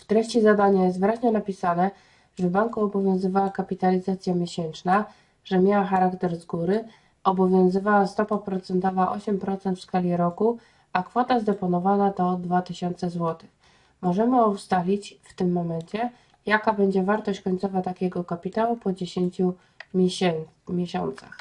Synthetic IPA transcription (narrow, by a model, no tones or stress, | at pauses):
ft̪ɾɛɕt͡ɕizad̪aɲajɛst̪vɘɾaʑɲɛnapʲisanɛ | ʐ̥ɛvbaŋkuɔbɔvʲjɔ̃w̃zɘvawakapʲit̪alʲizat̪sʲjamʲjeɕɛnt͡ʂna | ʐɛmʲjawaxaɾakt̪ɛɾzɡuɾɘ | ɔbɔvʲjɔ̃w̃zɘvawast̪ɔpapɾɔt̪sɛnt̪ɔvaʔɔ̰ɕɛmpɾɔt̪sɛnt̪fskalʲiɾɔku | akfɔt̪azd̪ɛpɔnɔvanad̪ɔd̪vat̪ɘɕɔnt̪sɛzwɔt̪ɘ̥x | mɔʐɛmɘɔst̪alʲit͡ɕft̪ɘmːɔmɛɲt͡ɕɛ | jakabɛɲd͡ʑɛvaɾt̪ɔɕt͡ɕkɔɲt̪sɔvat̪akʲɛɡɔkapʲit̪awupɔd͡ʑeɕeɲt͡ɕu | ɛ | mʲjɛɕɔ̰nt̪sax